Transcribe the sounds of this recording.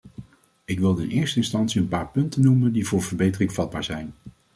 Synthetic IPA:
ɪkʋɪlˠdəɪnʔɪːɹstəɪnstɑntsiənpaːɹpɵntənːuməndivʊːɹvəɹbejtərɪŋvɑd̚baːɹzɛjn

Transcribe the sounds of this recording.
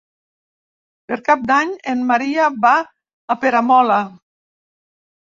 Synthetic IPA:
peɾkap̚d̪aɲenmaɾiaβaː | peɾamɔla

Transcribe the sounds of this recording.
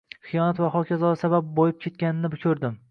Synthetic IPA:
χɨjɒnat̪vaχɒkʲʰazɒsabap̚bojɪp̚kʲʰe̞t̪̚kʲanɪnɪbɪkʲʰɵɾd̪ɪm

